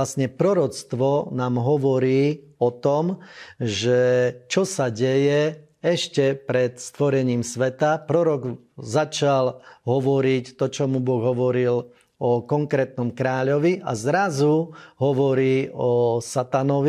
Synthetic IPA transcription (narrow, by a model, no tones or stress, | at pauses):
lasɲɛpɾɔɾɔt͡st̪ʋɔnaːmɦɔʋɔɾiːɔt̪ɔmʒɛt͡ʃɔsaɟɛjɛ | ɛʃcɛpɾɛt̪st̪ʋɔɾɛɲiːmsʋɛt̪apɾɔɾɔɡ | zat͡ʃalɦɔʋɔɾict̪ɔt͡ʃɔmubɔɣɦɔʋɔɾil | ɔkɔŋkɾɛːt̪nɔmkɾaːʎɔʋiʔazɾazuɦɔʋɔɾiːɔsat̪anɔʋi